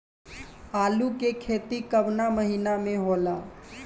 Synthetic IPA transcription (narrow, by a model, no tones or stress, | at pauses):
aːlukekʰeːt̪ikəbnaməɦinamẽɦoːlaː